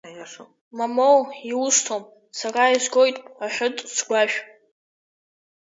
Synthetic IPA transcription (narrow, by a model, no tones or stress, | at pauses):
mamowiustʰom | saraiʒʷɡo̞jtʼaħʷʊtʼsʰɡʷaʃᶣ